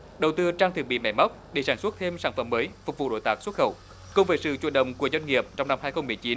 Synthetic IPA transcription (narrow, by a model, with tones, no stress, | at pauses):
ɗə˨˩wt̪ɨ˧t͡ɕaː˧ŋt̪ʰɨ˨˩k̚ɓḭ˧˨mɛ̰˧˩ma˦˥wk͡p̚ɗe˧˩saː˧˩nswt̚t̪ʰe˧msaː˧˩nfə̰˧˩mːəː˨˦jfʊ˨˩k͡p̚vṵ˧˨˩ɗo̰˧˩jt̪aː˧˩k̚swə˦˥t̚xə˧˩w | kʊ˨˧˩ŋ͡mvəː˨˦jsɨ̰˧˨t͡ɕwu˧˩n̚ɗə̰˧˨wŋ͡mku˧˩əzwɛ˧jŋ̟ŋi˨˩əp̚t͡ɕɔ˧wŋ͡mna˧mhaː˧jxə˧wŋ͡mmɨ˨˩əjt͡ɕi˨˦n